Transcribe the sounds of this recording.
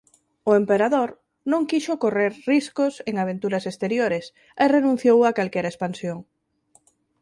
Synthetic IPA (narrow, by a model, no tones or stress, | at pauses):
ʊempeɾaðoɾ | nõŋkiʃokoreɾriskoseŋaβ̞ent̪uɾasest̪eɾjoɾɪs | erenũn̟θjowakalkɛɾaespansjoŋ